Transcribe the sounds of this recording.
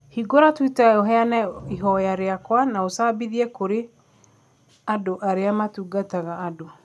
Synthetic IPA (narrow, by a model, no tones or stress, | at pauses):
hiɡoɾatwitaoɦɛanɛiɦɔjaɾeakwanaosaːbiðiɛkoɾe | adoʔaɾeamatuɡataɣaːdo